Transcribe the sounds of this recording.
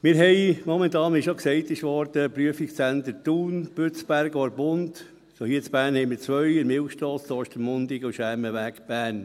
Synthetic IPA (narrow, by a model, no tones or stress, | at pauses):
mɪːɾɦɛɪmɔmɛntɑːnmɪʃoksɛɪt̪ɪʃʋɔɾd̥̪əpɾyəfiksænd̪əɾtuːnb̥øt͡sb̥æɾɡɔɾbʊnt | sohiːət͡sb̥æːɾnhɛɪmɪɾt͡sʋœʏɪnmɪlxʃtɔːsd̥ɔːʃtəmmʊnd̪ɪɡuʃæməʋækb̥æːn